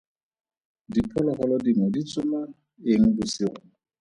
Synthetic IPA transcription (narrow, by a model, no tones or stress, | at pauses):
dipʰɔlɔχɔlɔdimɔdit͡sʼʊma | eŋ̩busɪɣʊ